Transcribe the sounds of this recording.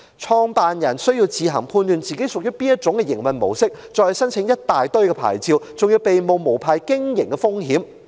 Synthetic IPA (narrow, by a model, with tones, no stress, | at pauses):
t͡ʃʰɔː˧ŋpaː˨njɐ˨˩nsɵ˥ɥji˧wt͡siː˨˧ɦɐ̰˨˩ŋpʰuː˧nlyː˨nt͡siː˨ke˨˥jsʊ˨k̚jy˥piː˥njɐ˥t̚t͡sʊ˨˧˥ŋkɛ˧jɪ˨˩ŋmɐ˨nmo̰˨˩wsɪ˥k̚t͡sɔː˨hsɐ˥nt͡sʰɪ˧˥ŋjɐ˥t̚t̪aː˨jt̪ɵ˥ɥkɛː˧pʰa̰ː˨˩jt͡siː˧wt͡sʊ˨ŋjiː˧wpe˨jmo˨wmo˨˩wpʰaː˨jkɪ˥ŋjɪ˨˩ŋkɛ˧fʊ˥ŋɦiː˨˥m